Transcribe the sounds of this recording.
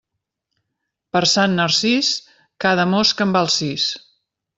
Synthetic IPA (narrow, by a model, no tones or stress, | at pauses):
pəɾsanːərsis | kaðəmoskəmbalˠsis